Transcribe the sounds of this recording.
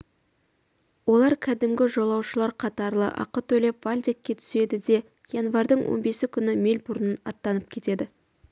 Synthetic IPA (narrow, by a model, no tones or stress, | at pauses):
wo̞lˠɑɾkʲʰæd̪ɪmɡʲɪʒo̞lˠɑwʃəlˠɑɾqʰɑt̪ɑɾlˠə̰ʔɑ̰qət̪ʰɵle̞pv̥alʲd̪ʲekʲːe̞t̪ʰʏ̥se̞d̪ɪd̪e̞ | janvɑɾd̪əɴwʔo̰nbe̞sɪkʲʰʏnɪme̞lʲbʊɾnənɑt̪ːɑnəp̚kʲʰe̞t̪e̞d̪ɪ